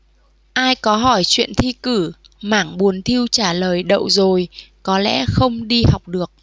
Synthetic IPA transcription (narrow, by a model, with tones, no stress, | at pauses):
ʔaː˧jkɔ˨˦ɦɔ˧˩jt͡ɕwḭ˧˨ənt̪ʰi˧kɨ˧˩ | maː˧˩ŋɓu˨˦ənt̪ʰi˧əwt͡ɕaː˧˩ləː˨˩jɗə̰˧˨wzo˨˩jkɔ˨˦lɛ̰˧˥xə˧wŋ͡mɗi˧ha˨˩wk͡p̚ɗɨ˨˩ək̚